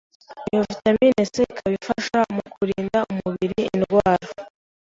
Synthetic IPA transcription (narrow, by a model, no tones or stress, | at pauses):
iɱvutamineseikʰaβifaʃamukuɾiːndaumuβiɾiːnɡwaːɾa